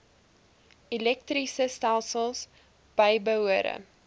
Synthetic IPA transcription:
ilɛk̚trisəstælˠsəlˠs | b̥əjbəɦuəɾə̰

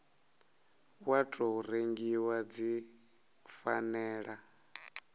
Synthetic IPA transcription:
watʼɔuɾeŋɡiwad͡zi | fanɛːɺa

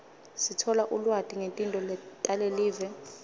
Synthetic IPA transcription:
sitʰɔlaʔulwadʼʱiŋentʼintʼɔlɛtʼaleliːvɛ

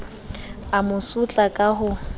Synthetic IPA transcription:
amʊsut͡ɬʼakʼaɦʊ

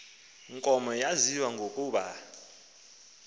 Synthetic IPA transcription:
ŋkʼɔmɔjaziwaŋɡʱokʼuːɓa̰

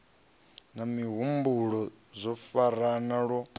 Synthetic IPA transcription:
namiɦumbuɺɔzʷɔfaɾanaɺɔ

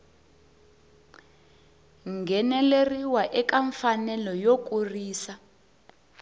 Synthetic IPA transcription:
ŋɡʱɛnɛleriwaʔɛkʼaɱfanɛlɔjok̬ʼuriːsa

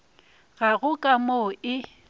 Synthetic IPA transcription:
ɣaɣʊkʼamoɪ

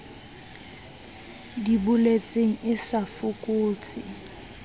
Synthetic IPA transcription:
dibʊlet͡sʼeŋ̩ɪsafʊkʼuːt͡sʼɪ

